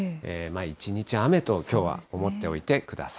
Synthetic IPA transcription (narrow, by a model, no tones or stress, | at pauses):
emait͡ɕiɲ̟it͡ɕiame̞t̪o̞kʲo̞ːβa̰omo̞t̪ːe̞o̞̰it̪e̞kɯ̟d̪a̰sḁ